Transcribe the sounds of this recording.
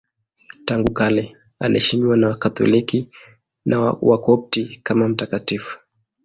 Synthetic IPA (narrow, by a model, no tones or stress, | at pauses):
taŋɡukalɛ | alʔɛʃimiwanawakat̪ɔ̰liki | nʔawakɔp̚tikamam̩takatifu̥